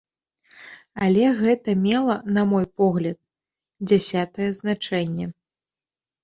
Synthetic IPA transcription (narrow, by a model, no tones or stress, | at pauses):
alʲɛɣɛt̪ɐmʲɛlˠɐnamɔjpɔɣlʲɐt̪̚ | d͡zʲasʲat̪ɐjɛznat͡ʂɛnʲːɛ